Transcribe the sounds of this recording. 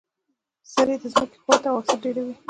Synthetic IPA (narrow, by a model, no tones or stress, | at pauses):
saɾed̪əzməke̥xwɑt̪awaksaɖeɽawi